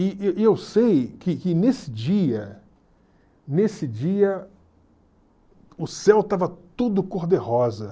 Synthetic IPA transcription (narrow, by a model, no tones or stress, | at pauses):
ɪʔeewsejkɪkɪnesɪd͡ʒiɐ | nesɪd͡ʒiɐ | ʊsɛwt̪avɐt̪ud̪ʊkoɾd̪ehɔzɐ